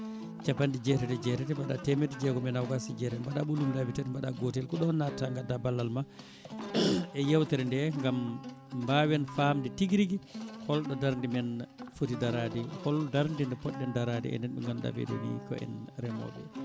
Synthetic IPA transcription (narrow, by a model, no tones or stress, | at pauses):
t͡ʃapandid͡ʒɛtɛtɛd͡ʒɛtɛtɛmaɗa̰tɛmɛtɛd͡ʒɛɡɔmɛnawɡasid͡ʒɛtɛbaɗaɓulumilabitatmbaɗa̰ɡɔtɛlkɔɗɔnːataŋɡadabalːalma | ɛjɛwtɛɾɛndɛŋɡambawɛnfamditiɡɾiɡihɔlɗɔdaɾndimɛnfutidaɾadihɔldaɾndindɛpɔɗːɛndaɾadḭɛ̰nɛnɓɛ̰ŋɡamɗa̰bḛdṵnḭkɔ̰ɛ̰nɾɛmɔ̰bɛ̰